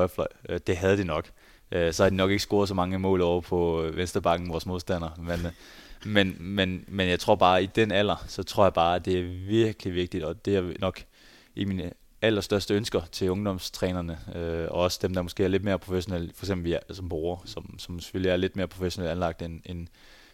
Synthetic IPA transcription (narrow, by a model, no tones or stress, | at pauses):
ɒflɒɪd̥e̝ɦæð̞ˠəd̥inɒ̽ɡ̥ | ʔøsɒ̽hɑd̥inɒ̽ɡ̥eɡ̥əsɡ̥o̝ːɐðˠs̬ɒ̽mɑ̈ŋəmɔ̰̽ːlˠɒʊ̰ɐpʰɒ̽ʋensd̥ʁɐb̥ɑ̈ɡ̥n̩ʋɒːsmo̝ð̞ˠsd̥æn̰ɐmen | menmenmenjɑ̈ɪt͡sʰʁo̝̰ɐ̰b̥ɑ̈ːid̥enæl̰ɐsɒ̽t͡sʰʁo̝ɐ̰jɑ̈ɪb̥ɑ̈ːæd̥e̝æɐʋiɐɡ̥əliʋe̝ɡ̥̚d̥id̥ɒ̽d̥e̝æɐnɒ̽ɡ̥ | ʔiminə | æl̰ɐsd̥ɶɐsd̥əønsɡ̥ɐt͡sʰe̝lɔ̽ŋd̥ɒ̽mst͡sʰʁɛːnɐnəøɒ̽ɒ̽sə̥d̥emd̥ɑ̈mosɡ̥e̝̰ːɐle̥me̝ːɐpʰʁofeɕo̝nel̰fɒ̽ɪ̥ɡ̥semb̥l̩ʋisɒ̽mb̥ʁoːɐsɒ̽msɒ̽mse̥følliæɐle̝d̥̚me̝ːɐpʰʁo̝feɕo̝nelænlɑ̈ɡ̥̚d̥enen